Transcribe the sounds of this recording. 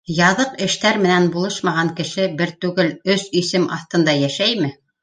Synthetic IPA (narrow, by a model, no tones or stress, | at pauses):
jɑðɤqɘ̆ʃt̪æɾmɘ̆nænbulˠɤʃmɑʁɑŋkɘ̆ʃɘbɘɾt̪ʉɡɘlɵsisɘmɑ̰θt̪ɤ̆nd̪ɑjæʃæjmɘ